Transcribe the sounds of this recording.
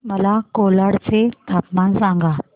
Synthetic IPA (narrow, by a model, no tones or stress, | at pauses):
mɐlakoːləɽset̪apmãnsãːŋɡʱaː